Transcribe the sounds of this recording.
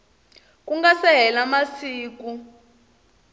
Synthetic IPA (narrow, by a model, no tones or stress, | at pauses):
kuŋɡasɛɦɛlamasiːk̬u